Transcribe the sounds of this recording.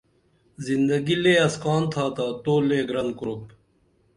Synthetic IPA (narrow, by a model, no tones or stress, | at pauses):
zind̪ɐɡileːɐskɑːnt̪ʰaːt̪aːt̪oːleːɡɾɐnkɾoːp